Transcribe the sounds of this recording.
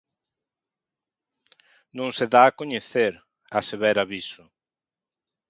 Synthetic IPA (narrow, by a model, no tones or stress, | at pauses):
nõŋseðaːkoɲeθeɾ | aseβɛɾaβisʊ